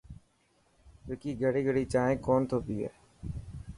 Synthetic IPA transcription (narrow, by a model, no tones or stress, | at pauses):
t̪oːkiːɡəɽiːɡəɽiːt͡ʃaːẽːkoːnt̪ʰoːpiːɦɛ̰ː